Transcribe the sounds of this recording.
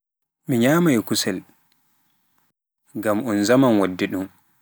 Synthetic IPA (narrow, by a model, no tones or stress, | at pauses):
miɲaːmajkusɛl | ɡamɔnzamanwadːiɗum